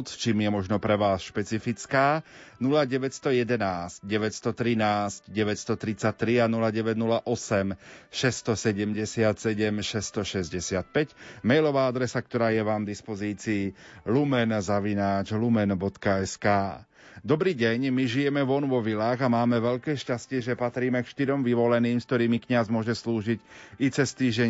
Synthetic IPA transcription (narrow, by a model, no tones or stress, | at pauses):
t͡st͡ʃiːmjɛmɔʒnɔpɾɛʋaːsʃpɛt͡sifit͡skaːnulaɟɛʋɛtst̪ɔjɛd̪ɛnaːscɟɛʋɛcst̪ɔt̪ɾinaːscɟɛʋɛtst̪ɔt̪ɾit͡sat̪ɾianulaɟɛʋɛɟnulaʔɔsɛmʃɛst̪ɔsɛɟɛmɟɛsɪat̪sɛɟɛmʃɛst̪ɔʃɛzɟɛsɪat̪̚pɛcmɛjlɔʋaːad̪ɾɛsak̚t̪ɔɾaːjɛʋaːmd̪ispɔziːt͡siːlumɛnzaʋinaːt͡ʃlumɛnbɔt̪kaɛskaː | d̪ɔbɾiːɟɛɲmiʒijɛmɛʋɔnʋɔʋilaːɣamaːmɛʋɛʎkɛːʃcascɪɛʒɛpat̪ɾiːmɛkʃt̪iɾɔmʋiʋɔlɛniːmskt̪ɔɾiːmikɲazmʊɔʒɛsluːʒicit͡sɛst̪iːʒɟɛɲ